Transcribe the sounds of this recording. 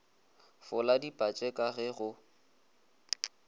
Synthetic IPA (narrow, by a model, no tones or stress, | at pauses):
fʊladipʼat͡ʃʼɛkʼaɣɛɣʊ